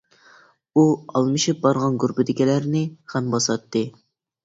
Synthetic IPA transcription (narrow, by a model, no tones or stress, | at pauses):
uɑlˠmɨʃɨp̚bɑɾʁɑnɡuɾpɪd̪ɪkʲɛlæɾnɪχɛmbɑsɑt̪ːɨ